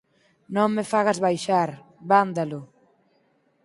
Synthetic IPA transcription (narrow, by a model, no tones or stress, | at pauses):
nõŋmefaɣazβajʃaɾ | βand̪alʊ